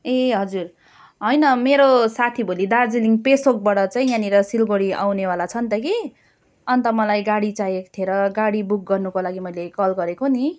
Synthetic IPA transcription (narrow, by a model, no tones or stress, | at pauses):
eɦʌd͡zur | ɦʌjnʌmeɾosat̪ʰibʱolid̪ard͡ziliŋpesok̚baɽʌt͡saĩjaniɾʌsilɡoɽia̰wnewalat͡sʰʌnt̪ʌki | ʌnt̪ʌmʌlajɡaɽit͡sajekt̪ʰeɾʌɡaɽibuk̚ɡʌrnukolaɡimʌjlekʌlɡʌɾekoni